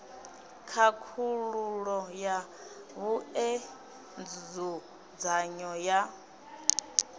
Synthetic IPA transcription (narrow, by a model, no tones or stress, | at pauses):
kʰakʰuɺuɺɔja | βuɛ | nd͡zd͡zu | d͡zaɲɔja